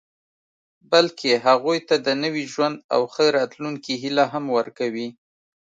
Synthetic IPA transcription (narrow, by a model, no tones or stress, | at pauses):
balkʰeɦaɣujt̪ad̪ənəwiʒwand̪a̰wxəɾɑt̪luŋkiɦilaɦamwəɾkawi